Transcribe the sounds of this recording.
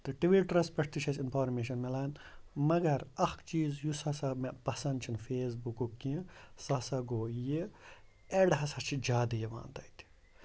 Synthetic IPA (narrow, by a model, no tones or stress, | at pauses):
t̪ɨʈiʋiʈɾɐspɐʈʰt̪it͡ʃʰɐsinpʰaːɾmeːʃɐnmelaːn | mɐɡɐɾɐxkt͡ʃiːzjusɐsɐmepɐsɐnd̪t͡ʃʰinfeːs̬bukukːĩsɐsɐɡoːji | eɖɦɐsɐt͡ʃʰid͡ʒaːd̪ɐjeʋa̰ːnt̪ɐjt̪ʰi̥